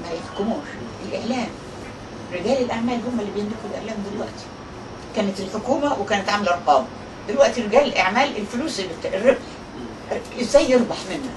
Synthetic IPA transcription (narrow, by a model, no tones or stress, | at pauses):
bjefkomuːɾʔelʔeʕlæːm | ɾeɡæːlelʔaʕmæːlhomːælːibejend̪ekulʔḛʕlæːmd̪elwæ̰ʔt̪i̥ | kæːnet̪elħokuːmæwekæːnæt̪ʕamælʔɑɾˤqɑːm | d̪elwæʔt̪ireɡæːlʔaʕmæːlʔelfluːslbet̪rːebħ | zæjːeɾˤbɑħmenːæ